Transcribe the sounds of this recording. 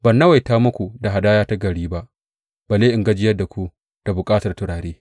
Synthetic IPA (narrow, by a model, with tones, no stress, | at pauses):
bɐ˨nːɐ˦wa˨jtaː˦mʊ˦kʷu˨da˨ɦa˨daː˦jaː˦ta˦ɡɐ˨ɽiː˦ba˦ʔ | b̥aː˨leː˦ʔɪ˨ŋɡɐ˦d͡ʒɪ˦jɐ˦da˨kʷu˦ | d̥a˨bʊ˨kʼaː˦tɐ˨rtʊ˨ɽaː˨ɾeː˦